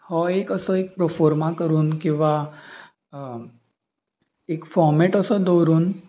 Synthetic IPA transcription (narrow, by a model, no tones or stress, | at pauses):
hɔekəsɔek̚pɾəfɔɾmakəɾuːnkĩw̃ʋa | ekfɔɾmeʈəsɔd̪ɔɾuːn